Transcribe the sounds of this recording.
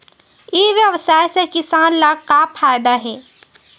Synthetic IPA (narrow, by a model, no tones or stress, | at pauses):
ɪʋjəʋsaːjsekɪsaːnlaɡkapʰaːjd̪aɦɛː